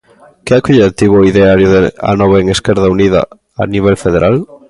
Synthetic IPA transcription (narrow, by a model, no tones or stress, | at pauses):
keakoʎet̪iβoiðeaɾjoðea̰nɔβaeŋeskɛɾðauniða̰ | a̰niβ̞elfeð̞eɾʔal